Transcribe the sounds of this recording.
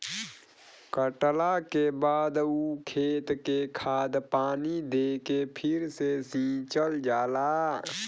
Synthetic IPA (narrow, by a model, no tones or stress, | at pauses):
kəʈlakebaːd̪uːkʰeːt̪kekʰaːd̪paːnid̪eːkepʰɪɾsesĩːt͡ʃəld͡ʒaːlaː